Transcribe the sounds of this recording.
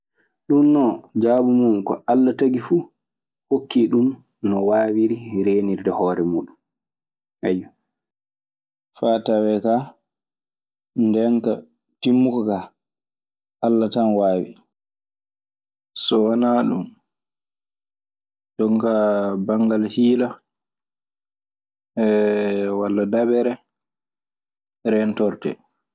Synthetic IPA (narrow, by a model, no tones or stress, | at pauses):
ɗumːɔd͡ʒaːbumumkɔalːataɡifu | hokʰːiɗum | nɔwaːwiɾiɾeːniɾdɛhɔːɾɛmuːɗum | ʔaju | fatawɛka | ndɛŋka | timːukɔka | ʔalːatanwaːwḭ | sɔwanaːɗṵm | d͡ʒɔŋkabaŋɡalhiːla | ɛwalːadabɛɾɛ | ɾɛntɔɾtɛ̰